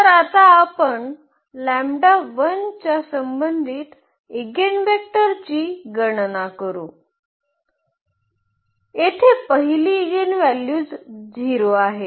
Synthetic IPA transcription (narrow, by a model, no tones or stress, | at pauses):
t̪əɾat̪aːpəɳ | læmɖaʋənt͡ɕasəmbənd̪ʱiːt̪ | iɡenʋek̚ʈəɾt͡ɕiːɡəɳnakəɾṵ̃ː | et̪ʰepəɦiliːɡenʋæljuːd͡zd͡zʱiɾoaɦe